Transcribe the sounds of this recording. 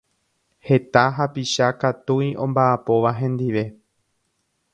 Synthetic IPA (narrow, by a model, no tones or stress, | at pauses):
he̞t̪aɦapiʃakat̪ujʔõ̞mbaʔːpo̞ʋaɦẽ̞nd̪iʋe̞